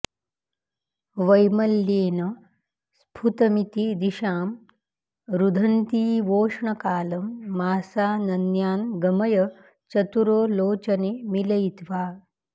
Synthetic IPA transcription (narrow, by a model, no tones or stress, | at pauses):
ʋɐjmɐlːjeːnɐ | spʰut̪ɐmit̪id̪iʃaːm | ɾud̪ʱɐnt̪iːʋoːʂɳɐkaːlɐmːaːsaːnɐnjaːnɡɐmɐjɐ | t͡ʃɐt̪uɾoːloːt͡ʃɐneːmilɐjt̪ʋaː